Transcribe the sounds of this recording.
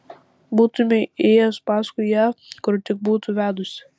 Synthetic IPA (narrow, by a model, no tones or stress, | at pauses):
buːt̪ʊmʲɛeːjospɑːskʊɪjæːkʊɾt̪ʲɪk̚buːt̪ʊʋʲæːd̪ʊsʲɪ̥